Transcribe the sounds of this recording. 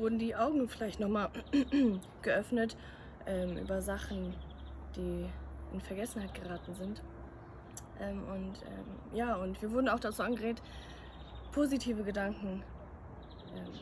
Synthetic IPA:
vʊɐdn̩diːʔaʊɡŋ̩fɪlaɪçtnɔχmaːl | ɡ̥əʔœfnət | ʔɛːmʔy̰ːbɐzaχn̩d̥iːʔɪ̰nfɛɐɡɛsn̩haɪt̚ɡ̥əʁaːtn̩zɪnt | ʔɛːmʔʊntʔɛ̰ːm | jaːʊntv̥iːɐvʊɐdn̩aʊxd̥at͡suːʔanɡəʁeːk̚t | pʰoːzitʰiːvəɡədaŋkŋ̩ | ʔɛːm

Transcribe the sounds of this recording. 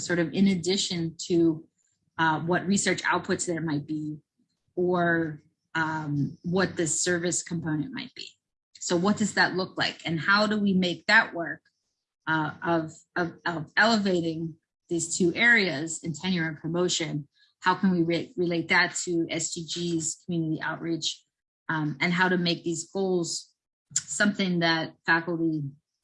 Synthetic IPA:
sɔɹɾʌvɪ̃nɨdɪʃɨ̃ntʰɨ | wʌt̚ɹisɜ˞t͡ʃa̰ʊt̚pʰʊtsɨɨt̚maɪt̚b̥i | ə˞ | ʌ̃mwʌt̪̚ðɨsɜ˞vɨskʰm̩pʰõʊ̃nɨ̃nma̰ɪt̚b̥ḭ | soʊwʌt̚d̥ʌzðɨtˡlʊklaɪkɨ̃nhaʊɾəwimeɪk̚ðɨʔ̚wɜ˞k̚ | ʌʌv | ʌvʌvɛlˠəveɪɾɪ̃ŋ | ðiz̥tʰʉʔɛɹiɨzɨ̃ntʰɛ̃njɪɹɨ̃npʰɹ̥ɨmoʊʃɨ̃n | haʊkʰɨ̃nwiɹɹɨleɪt̪̚ðɨtʰɨɛsdid͡ʒiz̥kʰm̩jʉnɨɾiʔa̰ʊt̚ɹit͡ʃ | ɨ̃nɦaʊɾɨmeɪk̚ðizɡoʊlˠz̥ | sʌ̃mθɪ̃ŋðɨt̚fækl̩ˠti

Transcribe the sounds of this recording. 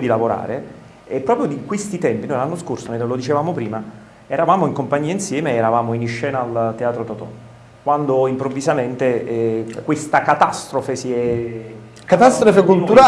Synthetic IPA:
d̪ilavoɾa̰ːɾe | ɛpːɾɔːpɾjod̪ikwest̪it̪ɛmpinojlanːoskorsonenlod̪it͡ʃevaːmopɾiːma | ɛɾavaːmoiŋkompaɲːiːainsjɛːmeɛɾavaːmoiniʃːɛːnaːlt̪eaːt̪ɾot̪ɔt̪ɔ̰ | kwand̪oimpɾovːizament̪e | kwest̪akat̪ast̪ɾofesiɛ | kat̪ast̪ɾofekult̪uɾa

